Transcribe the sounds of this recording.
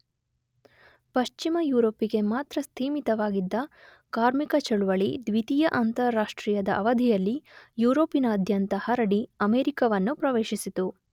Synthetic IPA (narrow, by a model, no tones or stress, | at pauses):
pɐʃt͡ʃimɐjuːɾoːpiɡe̞maːt̪ɾɐst̪ʰiːmit̪ɐʋaːɡid̪ːɐ | kaːɾmikɐt͡ʃɐɭuʋɐɭid̪ʋit̪ijɐʔant̪ɐɾːaːʂʈɾiːjɐd̪ɐʔɐʋɐd̪ʱijɐlːijuːɾo̞ːpinɐːd̪ʱjɐnt̪ɐhɐɾɐɽiɐmeːɾikɐʋɐnːupɾɐʋeːʃisit̪u